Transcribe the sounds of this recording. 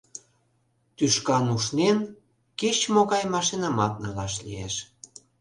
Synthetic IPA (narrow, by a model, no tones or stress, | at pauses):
t̪yʃkɑnuʃnen | ket͡ɕmoɣɑjmɑʃinɑmɑt̪̚nɑlɑʃlḭḛʃ